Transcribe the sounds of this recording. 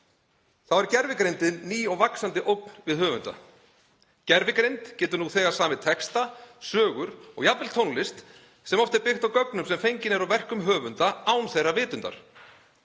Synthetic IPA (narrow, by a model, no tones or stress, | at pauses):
θawɛɾcɛɾvɪkɾejnt̪ɪnːiːɔɣvaksant̪ɪʔowk̚n̥vɪðɦœːvʏ̰nt̪a̰ | cɛɾvɪkɾejnt̪cɛːt̪ʏnuθɛːɣaɾ̥saːmɪðt̪ʰɛkst̪asœːɣʏɾɔ̰ɣjapvɛlt̪ʰownlɪst̪ | sɛmɔft̪ɛɾpɪxt̪awkœknʏmsɛmfejɲcɪnɛɾawvɛr̥kʏmɦœːvʏnt̪aaːwnθejrːavɪːt̪ʏnt̪a̰ɾ̥